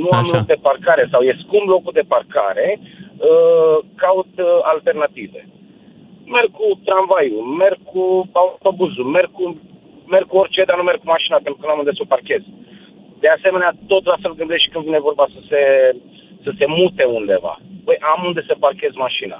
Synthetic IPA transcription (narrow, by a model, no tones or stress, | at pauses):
nuamlok̚d̪e̞parkaɾe̞sawje̞skumblo̞kud̪e̞parka̰ɾe̞əkaut̪alt̪e̞rnat̪ive̞̰ | me̞rɡ̚kut̪ɾanvajume̞rɡ̚kuaut̪o̞buzume̞rɡ̚ku | me̞rɡ̚kuo̞rʲt͡ʃe̞d̪anume̞rɡ̚kumaʃinapent̪ɾukənamund̪esəparke̞z̥ | d̪̥e̞ase̞me̞neat̪o̞t̪lafe̞lɡɨnd̪eʃt̪kɨnd̪vine̞vo̞rbasəse̞ | səse̞mut̪e̞und̪e̞va̰pəjʔamund̪e̞səparkʲe̞zmaʃina̰